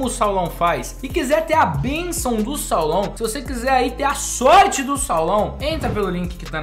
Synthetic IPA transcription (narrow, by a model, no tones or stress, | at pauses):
ʊsawlɐ̃w̃fajsɪkizɛɾt̪eɾɐbẽsɐ̃w̃d̪ʊsawlɐ̃w̃sɪvosekizɛɾait̪eɾasɔɾt͡ʃɪd̪ʊsawlɐ̃w̃ẽnt̪ɾɐpelʊlĩkɪkɪt̪a